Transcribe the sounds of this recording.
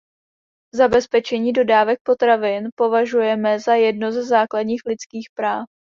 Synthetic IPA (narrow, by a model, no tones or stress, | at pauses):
zabɛspɛt͡ʃɛɲiːdo̞daːvɛk̚po̞t̪ɾavɪnpo̞vaʒujɛmɛzajɛdnozzaːkladɲiːxlɪt͡skiːxpɾaːf